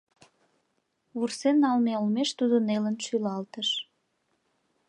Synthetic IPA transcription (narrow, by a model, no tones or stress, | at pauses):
βursenːɑlmeolmeʃt̪ud̪ənelənʃylɑlt̪əʃ